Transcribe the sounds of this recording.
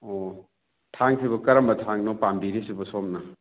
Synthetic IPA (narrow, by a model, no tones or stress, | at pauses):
o | tʰaŋkʰibɐkɐɾɐmbɐtʰaŋnopambiɾisibɐsomnɐ